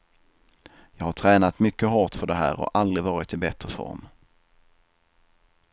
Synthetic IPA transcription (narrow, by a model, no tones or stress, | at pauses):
jɑːɡhaʈʰɾɛːnat̪mʏkːəɦɔʈfœɖɛɦæ̰ːɾɔ̰ʔald̪ɾɪvɑːɾɪt̪ɪbɛt̪ɾəfɔ̰ɾm